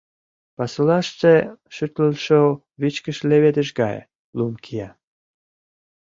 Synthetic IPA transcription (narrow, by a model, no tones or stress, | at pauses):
pɑsulɑʃt͡seʃyt̪ləlʃo | βit͡ɕkəʃleβed̪ə̆ʃɡɑj̰ | lumkʰijɑ